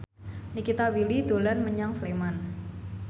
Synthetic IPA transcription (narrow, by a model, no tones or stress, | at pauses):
nikit̪awilid̪̥olanməɲaŋfleman